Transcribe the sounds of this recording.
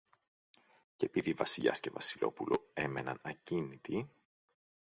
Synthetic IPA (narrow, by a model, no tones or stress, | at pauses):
cepiðivɐsiʎɐ̰sce̞vɐsilo̞pulʔo̞̰e̞me̞nɐnɐcinit̪i